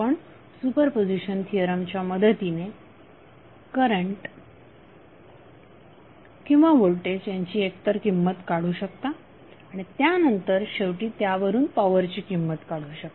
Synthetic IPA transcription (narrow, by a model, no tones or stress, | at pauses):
pəɳ | supəɾpod͡ʑiɕənt̪ʰijəɾamt͡ɕjaməd̪ʱət̪ine | kəɾəɳʈ | kĩw̃ʋaʋoɭʈed͡ʑjaɲt͡ɕiːekt̪əɾkimːət̪kaɽuːɕəkt̪a | aɽ̃it̪janənt̪əɾɕeʋʈiːt̪jaʋəɾuːnpaʋəɾt͡ɕiːkimːət̪kaɽuːɕəkt̪ḁ